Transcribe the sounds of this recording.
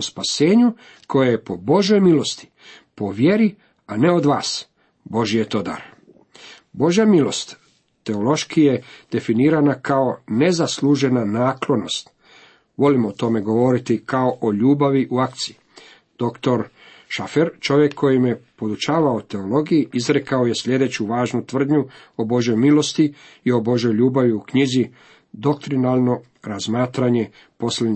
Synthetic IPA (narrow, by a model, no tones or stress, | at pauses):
ospase̞ːɲu | kʰo̞jaje̞po̞bo̞ʒjo̞jmilo̞st̪i̥ | po̞ʋjeɾi | ane̞o̞d̪ʋaːs | bo̞ʒije̞t̪o̞ːd̪a̰ɾ | bo̞ʒjamilo̞st̪ː | e̞olo̞ʃkije̞d̪̥e̞finiːɾanakʰao̞ne̞zaslˠuːʒe̞nanaːklo̞no̞st̪ | ʋo̞limoːt̪o̞me̞ɡo̞ʋo̞ɾit̪ikao̞ʔoʎuːbaʋiʔuakt̪sii | d̪̥o̞kt̪o̞ɾ | ʃafeɾt͡ʃo̞ʋje̞kʰːo̞jimje̞po̞d̪ut͡ʃaːʋaot̪e̞o̞lo̞ɡijiʔizɾe̞kao̞je̞sʎʲe̞d̪e̞t͡ɕuʋaːʒnut̪ʋr̩d̪ɲuo̞bo̞ʒjo̞jmilo̞st̪iio̞bo̞ʒo̞jʎuːbaʋiukɲizi | d̪o̞k̚t̪ɾinalˠno̞ | ɾazmaːt̪ɾaɲe̞ | po̞slen